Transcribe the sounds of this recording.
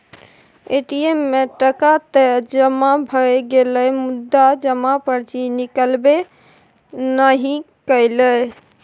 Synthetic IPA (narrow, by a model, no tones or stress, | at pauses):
eʈiemːeʈəkat̪əd͡ʒəmabʱəjɡeləjmud̪ːad͡ʒəmapəɾt͡ʃinikəlbe | nəɦĩ | kəɪləj